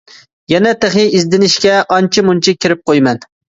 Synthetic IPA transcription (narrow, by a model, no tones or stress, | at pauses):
jɛnɛt̪ɪχɪjizd̪ɪnɪʃkʲɛʔɑnt͡ʃʰɪmunt͡ʃʰɪkʲʰɪɾɪp̚qʰojmɛn